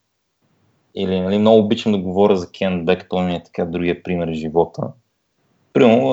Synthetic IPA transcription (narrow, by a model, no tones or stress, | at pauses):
ilinɐlimnɔɡʊːbit͡ʃnʊd̪ɐɡovɔɾʲəzɐkʰʲɛn̚bɛkə̥t̪ɔɛt̪ɐ̥kad̪ɾuɡiəpɾimɛɾʒivɔt̪ə̰ | pɾiməɾnʊ